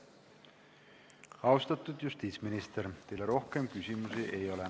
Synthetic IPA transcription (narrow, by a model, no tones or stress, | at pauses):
hɑwst̪ɑt̪ːut̪just̪iːsminist̪ert̪ejlæro̞hkemkysimysiʔejole